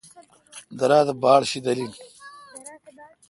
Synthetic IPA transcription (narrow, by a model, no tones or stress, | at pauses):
d̪ɐɾaːd̪ɐbaːɽɕid̪ɐlin